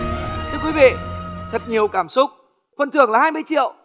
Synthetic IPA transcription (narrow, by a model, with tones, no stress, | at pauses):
t̪ʰɨ˧əkwi˨˦vḭ˧˨t̪ʰə˨˩t̚ɲi˨˩əwkaː˧˩msʊ˦˥k͡p̚ | fə˧˨˩nt̪ʰɨ˧˩əŋlaː˨˩haː˧jmɨ˧jt͡ɕḭ˧˨əw